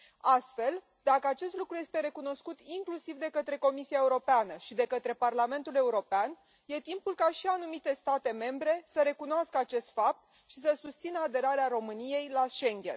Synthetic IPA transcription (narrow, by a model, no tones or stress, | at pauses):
ast̪fe̞l | d̪akəat͡ʃe̞st̪lukɾuje̞st̪e̞ɾe̞kun̪o̞skut̪iŋklusivd̪e̞kət̪ɾe̞ko̞misiae̞uɾo̞peanəʃid̪e̞kət̪ɾe̞parlame̞nt̪ule̞uɾo̞pean | je̞t̪impulkaʃianumit̪e̞st̪at̪e̞me̞mbɾe̞səɾe̞kunoaskəat͡ʃe̞st̪fap̚t̪̚ | ʃisəsust̪sinəad̪e̞ɾaɾeaɾo̞mɨnije̞jlaʃe̞ŋɡʲe̞̰n